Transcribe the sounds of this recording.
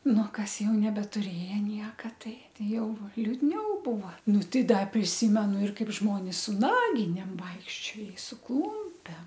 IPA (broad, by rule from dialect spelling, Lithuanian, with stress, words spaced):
ˈnʊ ˈkɐs ˈjɛʊ nʲɛbʲɛtʊˈrʲeːjɛ ˈnʲiɛkɐ ˈtɐɪ ˈtɐɪ ˈjɛʊ lʲʊdʲˈnʲɛʊ ˈbuːʋɐ ˈnʊ ˈtɐɪ ˈdɐ pʲrʲɪˈsʲiːmʲɛnʊ ɪr kɐɪp ˈʒmoːnʲɪs sʊ ˈnɑːɡʲɪnʲeːm ˈʋɐɪkʃʲt͡ʃʲoː ɪ sʊ ˈklˠuːmʲpʲɛm